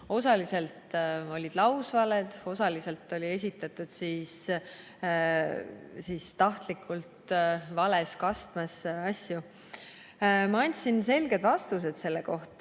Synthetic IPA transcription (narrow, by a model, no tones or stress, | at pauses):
o̞sɑlise̞lt̪o̞lʲid̪̥lɑwsvɑled̪̥o̞sɑlise̞lt̪ːˑo̞lʲie̞sʲit̪ːˑɑt̪ːˑud̪̥siːs | siːst̪ɑht̪likʰːˑult̪vɑle̞skɑst̪mɑsɑsʲju | mɑɑnʲt̪ʲsinse̞lɡ̥e̞d̪vɑst̪us̬e̞d̪̥se̞lːeko̞ht̪ˑ